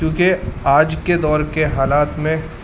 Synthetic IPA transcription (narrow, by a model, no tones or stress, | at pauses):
kjũːkeaːd͡ʒked̪ɔːɾkeɦaːlaːt̪mẽ